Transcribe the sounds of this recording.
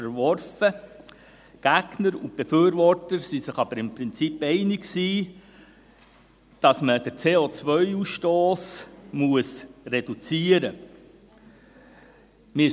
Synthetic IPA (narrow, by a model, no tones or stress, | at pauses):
əɾʋɔrfə | ɡ̥æɡ̥nəɾʊnt̚b̥efyːɾʋɔrtəɾsisɪχɑb̥əɾɪmpɾɪnt͡sipɛɪnɪksiː | d̥ɑsməd̥əɾt͡seːoːt͡sʋœʏusʃtoːsmuəsred̥ut͡siəɾə | mɪ